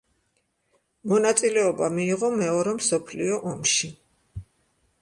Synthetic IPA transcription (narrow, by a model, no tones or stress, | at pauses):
mɔnat̪sʼilɛɔbamiːʁɔmɛɔɾɛmsɔpʰliɔʔɔmʃi